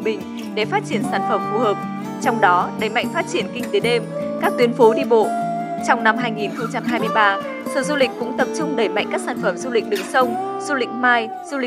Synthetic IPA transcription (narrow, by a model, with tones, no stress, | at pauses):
ɓḭ̈˧˨ŋ̟ | ɗe˧˨˩faː˦˥t̚t͡ɕi˧˩ənsaː˧˩nfə˧˩mfu˧˩həː˨˩p̚ | t͡ɕɔ˧wŋ͡mɗɔ˨˦ɗə˨˩jma̰˧˨jŋ̟faː˦˥t̚t͡ɕi˧˩ənkï˧ŋt̪e˨˦ɗe˧mkaː˦˥k̚t̪wi˨˦ənfo˨˦ɗi˧ɓo̰˧˨t͡ɕɔ˧wŋ͡mna˧mɦaː˧jŋi˨˩nxə˧wŋ͡mt͡ɕa˧mɦaː˧jmɨ˧əjɓaː˧ | sə̰ː˧˩zu˧lï˨˩k̟kʊ̰˧˥ŋ͡mt̪ə˨˩p̚t͡ɕʊ˧ŋ͡mɗəː˧˩jma̰˧˨jŋ̟kaː˦˥k̚saː˧˩nfə˧˩mzu˧lï˨˩k̟̚ɗɨ̰˨˩ŋ̚sə˧wŋ͡m | z̥u˧lḭ̈˧˨k̟̚maː˧j | zu˧lï˨